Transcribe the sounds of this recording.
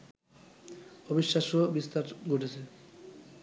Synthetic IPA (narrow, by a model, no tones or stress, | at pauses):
obiʃːaʃobist̪aɾɡʱoʈʰet͡ɕʰe